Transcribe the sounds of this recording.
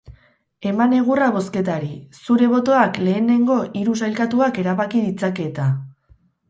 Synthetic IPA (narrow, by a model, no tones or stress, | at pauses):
e̞mane̞ɣ̞uraβo̞ske̞t̪aɾisuɾe̞β̞o̞t̪o̞akle̞ːne̞ŋɡo̞ʔiɾusajlkat̪uake̞ɾaβakiðit͡sake̞t̪a